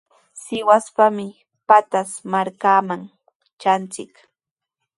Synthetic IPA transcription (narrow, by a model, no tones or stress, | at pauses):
sɪwaspamɪ | pat̪asmaɾkaːmaŋ | t͡ʃant͡sɪk